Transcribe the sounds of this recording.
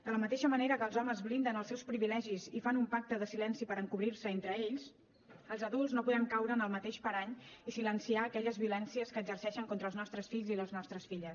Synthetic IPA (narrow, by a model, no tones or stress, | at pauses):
d̪̥ələmət̪eʃəməneɾəkəlˠzɔməzβlind̪ənəlˠsɛwspɾiβilɛʒizifanumpak̚t̪əðəsilɛnsipəɾəŋkuβɾirsəent̪ɾəeʎs | əlˠzəðulˠznopuðɛmkawɾəːnəlˠmət̪eʃpəɾaɲisilənsiaəːkɛʎəzβiulɛnsiəskəːɡd͡ʒərsɛʃəŋkont̪ɾəlˠznɔst̪ɾəsfiʎziləznɔst̪ɾəsfiʎəs